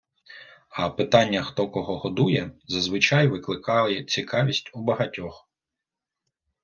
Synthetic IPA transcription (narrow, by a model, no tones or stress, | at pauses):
ɐpɪt̪ɑnʲːɐxt̪ɔkɔɦɔɦɔd̪ujɛzɐzʋɪt͡ʃɑjʋɪklˠɪkɑlˠɪt͡sʲikɑʋʲisʲtʲubɐɦɐtʲɔx